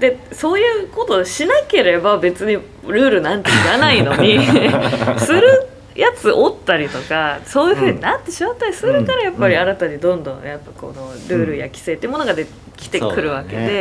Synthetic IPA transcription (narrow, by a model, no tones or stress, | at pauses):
d̪e̞so̞ːjɯ̟ːko̞t̪o̞ɕinake̞ɾe̞babe̞t͡sɨɲ̟i | ɾɯ̟ːɾɯ̟nãnt̪eiɾanaino̞ɲ̟i | sɨɾɯ̟ | jʔat͡sɨʔot̪ːaɾʲit̪o̞kaso̞ːjɯ̟ɸɯ̟ːɲ̟inat̪ːe̞ɕimat̪ːaɾʲisɨɾɯ̟kaɾajapːaɾʲiaɾat̪aɲ̟id̪õ̞nd̪õ̞̰japːako̞̰no̞ɾɯ̟ːɾɯ̟ja̰kʲi̥se̞ːt̪eiɯmo̞noɡad̪e | kʲi̥t̪e̞kɯ̟ɾɯ̟βake̞̰d̪e̞